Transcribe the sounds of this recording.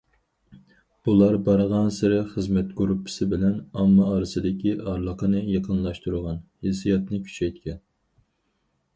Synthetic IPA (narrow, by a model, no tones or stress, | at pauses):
b̥ulˠɑɾbɑɾʁɑnsɨɾɪχəzmɛt̪ɡuɾupʰːɪ̥sɪbɪlɛnɑmːɑɑːɾɨsɨd̪ɪkʲiʔɑɾlˠəqʰənɨjɑqʰənlˠɑʃt̪uɾʁɑnhesijɑt̪nɨkʲʰy̥t͡ʃʰɛjt̪kʲɛn